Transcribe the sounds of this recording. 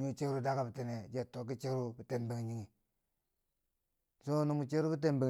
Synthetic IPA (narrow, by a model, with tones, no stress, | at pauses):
ɲu˦t͡ʃe˦kɾu˦da˦ka˨bi˨ti˨ne˨d͡ʒe˦˨tːo˨k̬i˦t͡ʃe˦ɾu˦bi˨te˨mbe˨ŋ˨ɲi˦ŋi˨ | so˦nu˦mu˨t͡ʃe˦ɾu˦bi˦t̬e˦mbe˨